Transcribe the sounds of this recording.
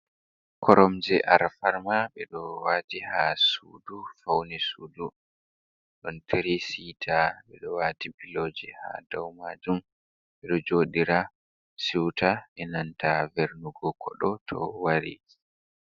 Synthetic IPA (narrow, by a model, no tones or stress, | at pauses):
kʰɔɾɔmd͡ʒɛʔaɾfaɾmaɓɛɗɔwaːtihasṵːdufawnisuːdu | ɗɔntʰeɾisitʰaɓɛɗɔwaːtibiloːd͡ʒɛha̰dawmaːd͡ʒum | ɓɛɗɔd͡ʒoːɗiɾa | siwtʰaʔɛnantʰaveɾnuɡɔkʰɔ̰ɗɔtʰɔ̰waɾḭ